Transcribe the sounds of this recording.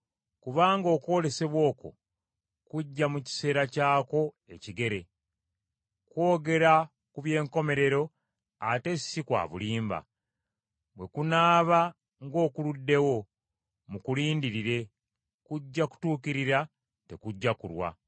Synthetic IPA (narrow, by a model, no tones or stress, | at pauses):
kuβaːŋɡo̞ːkwo̞ːle̞se̞βwo̞ːko̞̰ | kuɟːamuci̥se̞ːɾacaːko̞ | e̞ciɡe̞ɾe̞ | kwo̞ːɡe̞ɾa | kuβje̞ːŋko̞me̞ɾe̞ɾo̞ | ate̞si̥sikwa̰ːβṵliːmba̰ | βwe̞kunaːβa | ŋɡo̞ːkuludːe̞wo̞ | mukuliːndiɾiɾe̞ | kuɟːaku̥tuːkiɾiɾa | te̞kuɟːakṵɾwa̰